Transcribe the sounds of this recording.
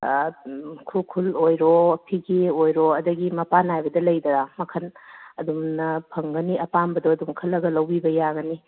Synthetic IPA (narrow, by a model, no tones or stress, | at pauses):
kʰulkʰulojɾopʰiɡeojɾoɐdɐɡimɐpanajbɐdɐlɐjdɐɡamɐkʰɐnɐdumnɐpʰɐŋɡɐniɐpanbɐdoɐdumkʰɐlːɐɡɐlɐwbibɐjaɡɐni